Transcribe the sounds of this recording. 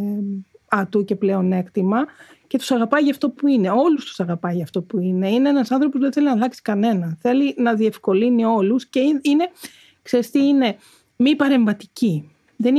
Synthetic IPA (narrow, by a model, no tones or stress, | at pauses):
ɐt̪uce̞ple̞o̞ne̞kt̪imɐ | ce̞t̪u̥sɐɣɐpɐjʝɐft̪o̞puine̞o̞lust̪u̥sɐɣɐpɐjʝɐft̪o̞puine̞ine̞enɐsɐnθɾo̞pozðeθe̞linɐlɐksi̥kɐne̞nɐθe̞linɐðie̞fko̞linio̞lusceiine̞ | kseɾist̪iine̞ | mipɐɾe̞ɱvɐt̪i̥ci | ðe̞n